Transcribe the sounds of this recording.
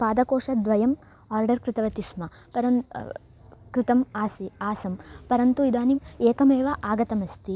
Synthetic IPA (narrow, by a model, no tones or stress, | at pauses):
aːd̪ɐkoːʂɐd̪ʋɐjɐm | aːɾɖɐɾkɾɪt̪ɐʋɐt̪ismɐ | pɐɾɐn | kɾɪt̪ɐmaːsiaːsɐmpɐɾɐnt̪uid̪aːnimeːkɐmeːʋɐʔaːɡɐt̪ɐmɐst̪i